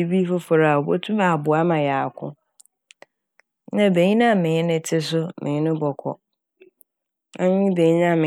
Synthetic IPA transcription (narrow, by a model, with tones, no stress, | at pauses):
i˦bi˦fʊ˦fʊ˨ɾa˨a˨ɔ˨bo˦tʰũ˦baː˨bʊ˨a˦mã˨ja˨kʰʊ̰̃˦ | nã˦˨be˨ɲĩ˦nã˦˨mɪ̃˨˦nɪ̃˦tʰɪ˦s̬ʊ˦mʔɪ̃˨˦nʊ̃˦bɔ˨kʰɔ̰˨ | ã˦ɲɪ̃˦be˨ɲĩ˦nã˦˨mɪ̃˨